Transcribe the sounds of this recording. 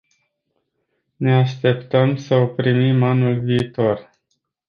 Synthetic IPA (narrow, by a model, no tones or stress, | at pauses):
ne̞aʃt̪e̞pt̪əmsəopɾimimanulviːt̪o̞r